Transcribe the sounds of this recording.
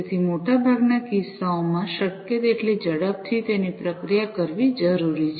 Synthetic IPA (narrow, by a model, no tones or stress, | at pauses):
t̪ʰimoʈabʱaɡnakisaomãʃəkjət̪eʈlid͡ʒəɽəp̚t̪ʰit̪enipɾəkɾijakəɾʋid͡ʒəɾuɾit͡ʃʰ